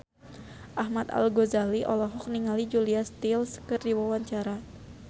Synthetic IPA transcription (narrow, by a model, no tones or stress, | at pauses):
ʔahmat̪a̰lɡozaliʔɔlɔɦɔk̚niŋalid͡ʒuliast̪ilskɨrdiwawaɲt͡ʃaɾa